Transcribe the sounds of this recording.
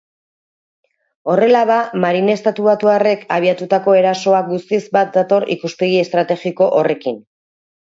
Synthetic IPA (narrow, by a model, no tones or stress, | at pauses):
o̞re̞laðamaɾine̞st̪at̪uβat̪uare̞kaβiat̪ut̪ako̞e̞ɾaso̞ak̚ɡust̪izbat̪̚d̪at̪o̞ɾḭkuspe̞ɣ̞ie̞st̪ɾat̪e̞ɣiko̞ʔore̞kin